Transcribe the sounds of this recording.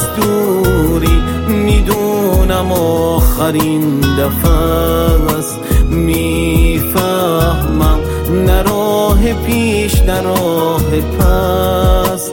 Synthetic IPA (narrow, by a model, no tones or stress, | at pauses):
st̪u | ɾi | mid̪unamɔχaɾind̪afa | s | mi | fa | hmam | naɾɔɦepʰiʃd̪aɾɔhɾepʰa | s